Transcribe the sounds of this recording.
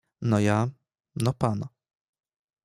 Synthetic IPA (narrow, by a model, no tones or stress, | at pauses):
nɔja | nɔpana